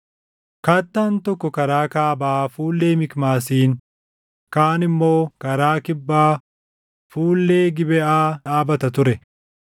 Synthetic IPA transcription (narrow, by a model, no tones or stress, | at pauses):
kaːt̪ːaːnt̪ɔkːɔkɐɾaːkaːbaːfuːlːe̞ːmɪkmaːs̬iːŋ | kaːnɪmːo̞ːkɐɾaːkɪbːaː | fuːlːe̞ːɡɪbɛʔaːᶑaːbɐt̪ɐt̪ʊɾɛ